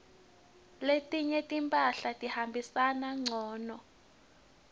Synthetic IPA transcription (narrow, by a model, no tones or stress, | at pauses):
letʼiɲɛtʼimpʼaɬatʼihambʱisanaŋ͡ǀʱɔːnɔ